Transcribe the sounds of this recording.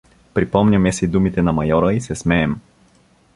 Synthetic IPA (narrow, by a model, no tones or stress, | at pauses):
pɾipɔmnʲəmɛsid̪umit̪ɛnɐmɐjɔɾəisɛsmɛːm